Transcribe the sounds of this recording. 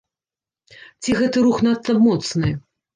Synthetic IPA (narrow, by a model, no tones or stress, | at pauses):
t͡sʲiɣɛt̪ɨɾuxnat̪ːɐbmɔt̪snɨ